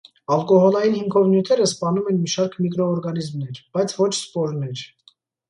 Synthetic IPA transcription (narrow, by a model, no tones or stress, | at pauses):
ɑlkɔhɔlɑjinhiŋkʰɔvnjut̪ʰɛɾəspɑnumɛnmiʃɑɾkʰmikɾɔːɾɡɑnizmnɛɾb̥ɑjt͡sʰvɔt͡ʃʰspɔɾnɛɾ